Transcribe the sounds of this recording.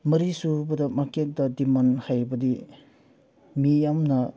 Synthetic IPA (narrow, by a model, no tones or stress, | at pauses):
mɐɾisubɐdɐmakek̚dɐdimanhajbɐdi | mijamnɐ